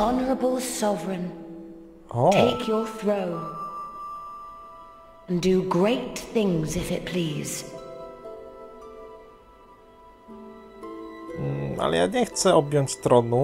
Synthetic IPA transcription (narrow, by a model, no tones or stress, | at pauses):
ɑnə˞əbəlˠsɒvɹɪ̃n | ʔɔtʰeɪkʰjə˞θɹoʊ̃ | ə̃ndɨɡɹeɪt̪θɪ̃ŋzɪfɨt̚pʰl̥iːz̥ | a̰lɛ̰ja̰ɲɛxt̪sɛɔbjɔɲt͡ɕst̪ɾɔnu